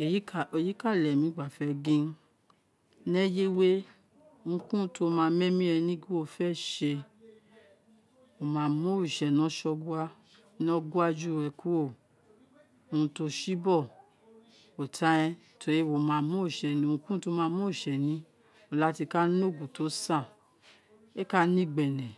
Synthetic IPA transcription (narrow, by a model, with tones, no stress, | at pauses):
e˨˦˨e˨ji˨˦ka˦˨lɛ˨mĩ˨˦ɡ͡ba˨fɛ˧ɡĩ˧˦ | nɛ˦je˦we˦˧ | ŋũ˧kũ˦to˦mãː˧˦mɛ̃˦mĩ˦ɛ˧nĩ˧˦ɡi˦wo˧˨fɛ˦˨ʃe˧ | wo˨mãː˨˧˨mũ˦i˨ʃɛ˨nɔ̃˨˦ʃɔ˧ɡu˦a˦ | nɔ̃˧˦ɡu˦a˧d͡ʒu˦˨ɛ˧˨ku˦o˦˨ | o˨˧ũ˧to˧ʃi˦bɔ˦˨ | o˨tʰa˧˦ɛ̃˧ | tʰo˧ɾi˦wo˨mã˨˦˧mũ˦i˨ʃɛ˨nĩ˨˧ũ˧kũ˦to˧˦mãː˧˦mõ˦i˦˨ʃɛ˨nĩ˨˦ | o˨la˨˦ti˧ka˦n˦o˦˨ɡu˨to˨˦sã˦˨ | e˦ka˦nĩ˦˨ɡ͡bɛ˨nɛ̃˨